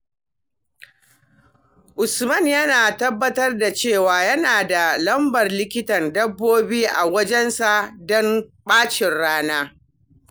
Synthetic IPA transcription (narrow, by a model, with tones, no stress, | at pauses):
ʔʊ˨smɐ˦˨njɐ˦naː˨tɐ˦bːɐ˦tɐ˦rda˨t͡ʃeː˦˨waː˨jɐ˦naː˨da˨lɐ˦mbɐ˨rlɪ˦kʲɪ˦tɐ˨ndɐ˦bːoː˦biː˦ʔa˨wɐ˦d͡ʒɛ˦nsa˨ʔdɔ˦mɓaː˦t͡ʃɪ˨nɽaː˦naː˦